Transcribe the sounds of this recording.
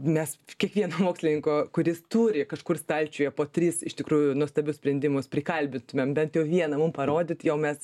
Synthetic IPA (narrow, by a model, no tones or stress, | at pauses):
mʲɛskʲiɛkʋʲiɛnoːmoːksʲlʲɪnʲɪŋkoːkʊɾʲɪst̪uːɾʲɪkɐʃkʊrst̪ɐlʲt͡ʃʲʊːjɛpoːt̪ʲrʲiːsɪʃt̪ʲɪkɾuːjʊnuɔst̪ɐbʲʊsʲpʲɾʲɛnʲd̪ʲɪmʊspʲɾʲɪkɐlʲbʲɪnt̪ʊmʲɛmbʲɛnt̪jɛʊʋʲiɛnɐmʊmpɐɾoːd̪ʲɪt̪jɛʊmʲɛs